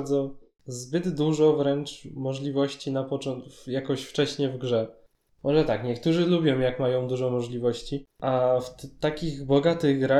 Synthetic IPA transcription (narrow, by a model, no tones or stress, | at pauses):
d̪zɔ | zbɘd̪d̪uʐɔvɾɛnt͡ʂmɔʐlʲivɔɕt͡ɕinapɔt͡ʂɔnjakɔɕft͡ʂɛɕɲɛvɡʐɛ | mʔɔʐɛt̪akɲɛkt̪uʐɘlubʲjɔ̃w̃jakmajɔ̃w̃d̪uʐɔmɔʐlʲivɔɕt͡ɕiʔaft̪akʲiɣbɔɡat̪ɘɣɡɾa